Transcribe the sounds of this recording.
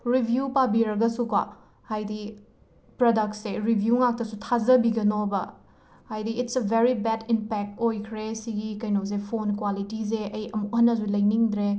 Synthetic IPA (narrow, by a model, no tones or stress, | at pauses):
ɾibʱjupabiɾɐɡɐsukwa̰ | hajdi | pɾodɐk̚tseɾibʱjuŋak̚tɐsutʰazɐbiɡɐnobɐ | hajdiːtsebʱeɾibɛdimpɛk̚tojkʰɾesiɡikɐjnoz̬epʰonkwalitizeɐjɐmuhɐnːɐzulɐjniŋd̪ɾe